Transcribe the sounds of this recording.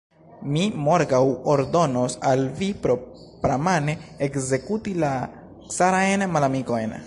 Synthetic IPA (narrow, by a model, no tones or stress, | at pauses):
mimo̞ɾɡawoɾdo̞nosalvipɾo̞ | pɾamaneekze̞kutila | saɾajnmalamiko̞jn